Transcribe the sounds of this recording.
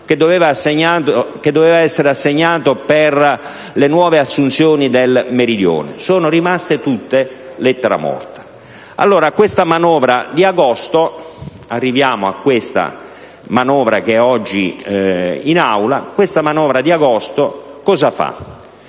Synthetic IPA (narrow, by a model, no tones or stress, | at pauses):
ked̪ːoveːvaseɲːaːt̪ked̪ːoveːvaɛsːeɾeasːeɲːaːt̪oper | lenwɔːveasːunt̪sjoːnid̪elmeɾid̪jo̰ːnḛsoːnorimast̪et̪ut̪ːelɛt̪ːeɾa̰mɔ̰rt̪ḁ | a̰lːoːɾakwest̪amanɔːvɾad̪iaɡɔst̪o | arːivjaːmoa̰kːwest̪a̰ | manɔːvɾa̰kɛɔd͡ʒːi | inawla̰kwest̪amanɔːvɾad̪iaɡɔst̪okɔzafa̰